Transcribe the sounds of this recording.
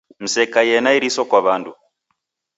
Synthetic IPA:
m̩sɛkajɛnaiɾisɔkwaβandu

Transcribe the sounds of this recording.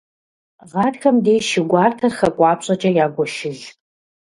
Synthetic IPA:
ʁɑːdxɐmdeːjʃɪɡʷɑːrtʰɐrxɐkʷʼɑːpɕʼɐt͡ʃʼɐjaːɡʷɔʃɪɮ

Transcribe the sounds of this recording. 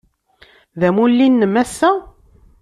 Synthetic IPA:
ðæmulːinːəmæsːæ

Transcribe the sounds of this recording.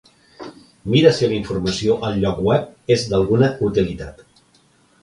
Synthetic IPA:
miɾəsiliɱfurməsioʔəlˠʎɔkwɛp̚ezd̪əlˠɣunəut̪ilit̪at̪

